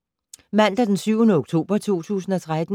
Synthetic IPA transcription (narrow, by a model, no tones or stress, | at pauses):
mæn̰d̥ɐd̥ensyʊnəoɡ̥t͡sʰo̝̰ːb̥ɐt͡sʰo̝̰ːt͡sʰṵːsn̩ɒ̽t͡sʰʁad̥n̩